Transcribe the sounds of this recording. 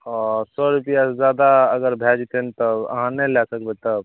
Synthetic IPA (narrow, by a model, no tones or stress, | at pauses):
ɔsɔɾupijasd͡ʒjad̪aəɡəɾbʱɛd͡ʒt̪ent̪ɔbə̰ɦãnɛlɛsəkbɛt̪ɔb